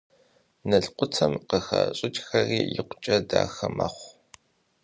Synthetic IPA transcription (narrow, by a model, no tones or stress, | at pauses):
nɐɬqʷʊt͡sʰɐmqəxaɕʼɪt͡ʃʼxɐriːjɪqʷʊt͡ʃʼɐdaːxɐmɐχʷ